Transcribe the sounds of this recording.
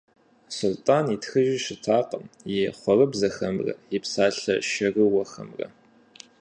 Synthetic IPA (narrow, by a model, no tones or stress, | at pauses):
sʊltʼaːnitxɨʒɪʃɪtʰaːqʼəmjɛχʷɔrɨbzɐxɐmrɐ̰jɪpsaːɬɐʃɐrɨwɐxɐ̰mrɐ̰